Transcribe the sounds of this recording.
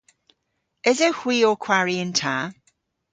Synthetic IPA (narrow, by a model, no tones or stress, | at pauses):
ɪzɛhwiːɔkʰw̥aɹiɪ̃ntʰaː